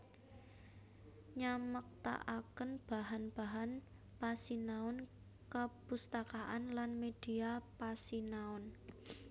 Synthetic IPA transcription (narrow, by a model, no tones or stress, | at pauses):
ɲamək̚t̪a̰ʔakənb̥a̤ɦanb̥a̤ɦan | pasinaʊn | kəpust̪akaʔanlanmed̥iapasinaʊn